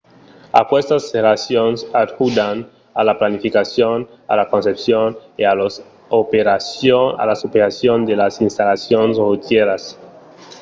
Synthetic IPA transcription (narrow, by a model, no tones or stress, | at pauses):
a̰pwest̪asːeɾasjonsat̪kud̪an | alaplanifikasjon | a̰lakonsepsjonealos | opeɾasoa̰lasopeɾasjond̪elasinst̪alasjonesrut̪jeɾas